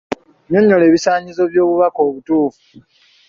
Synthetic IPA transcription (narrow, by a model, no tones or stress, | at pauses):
ɲo̞ɲːo̞le̞ːβisaːɲizo̞βjo̞ːβuβako̞ːβutuːfu̥